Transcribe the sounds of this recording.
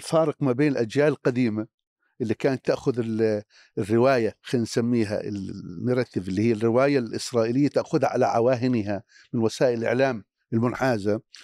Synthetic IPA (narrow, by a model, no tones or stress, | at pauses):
lfɑːɾɨqmabeːnɪlʔad͡ʒjaːlɪlqad̪iːma | ʔɪlːikaːnat̪ːaʔxʊðɪl | rːɪwaːjaxaːnsamːiːɦa̰ɪ̰lmʊɾˤɑt̪ːɪbɪlːihɪjːarːɪwaːjalʔɪsɾˤɑːʔilɪjːat̪aʔxʊðaʕa̰laʕawaːɦɪnɦa | mɪnwasaːʔɪlʔɪ̰ʕlaːm | ɪlmʊnħaːza